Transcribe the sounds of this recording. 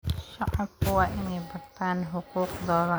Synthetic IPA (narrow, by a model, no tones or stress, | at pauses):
ʃɑʕɑbkʰʊwɑːʔɪnɛjbɐrt̪ʰaːnɦʊquːqðɔːðɐ